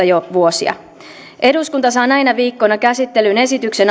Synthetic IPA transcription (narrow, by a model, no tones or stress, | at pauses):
ɑjoʋuosḭɑ̰ | ʔe̞duskunt̪ɑs̬ɑːnɑjnɑʋiːkːonɑkæsit̪ːe̞lyne̞sit̪ykse̞n